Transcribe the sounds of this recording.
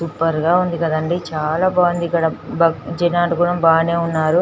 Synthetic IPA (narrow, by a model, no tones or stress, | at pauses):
supːɐɾɡaːund̪ikɐd̪ɐɳɖit͡ʃaːlaːbaːnd̪ikɐɽɐbɐd͡ʒenaːʈukuɽɐmbaːneːunːaːɾu